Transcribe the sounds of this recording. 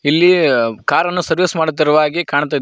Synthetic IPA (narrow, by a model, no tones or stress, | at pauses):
ilːikaːɾɐnːusɐɾʋismaːɽut̪̬ːiɾɐʋaːɡikaːɳt̪̬aːjd̪